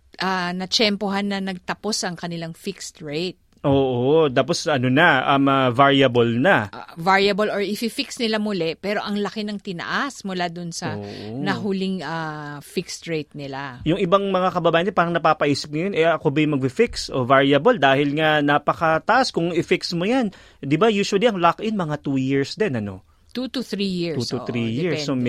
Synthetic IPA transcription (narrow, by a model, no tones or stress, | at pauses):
ʔanɐt͡ʃɛmpoɦanːɐnɐɡ̚t̪ɐpo̞sʔɐŋkɐnɪlaŋfikst̪ɹejt̪̚ʔoːʔot̪aːp̬osɐnonɐʔɐmɐvaɹjɐbolnɐʔvaɹjɐboloɹʔɪfifɪksnɪlamʊlɛpɛːɾo̞ʔɐŋlɐkɪnɐŋt̪ɪnɐ̰ʔasmʊlad̪ʊnsɐnɐɦʊlɪŋʔafikst̪ɹejt̪̚nɪlajʊŋʔɪbaŋmɐŋakɐbɐbaːjɐnpaːɾɐŋnɐpaːpɐʔiːsɪp̚ŋɐjo̞nɛʔɐkobɐjmɐɡ̚fɪfɪkso̞̰vaɹjɐbold̪aːhɪlŋanaːpɐkɐt̪ɐʔaskʊŋɪfiksmojan | d̪ɪbajuːʃʊwɐliʔɐŋlakʔɪnmɐŋat̪uːjɪɹsd̪ɛnʔɐno̞̰ | t̪ut̪uθɾijiɹt̪uɾijɪɹo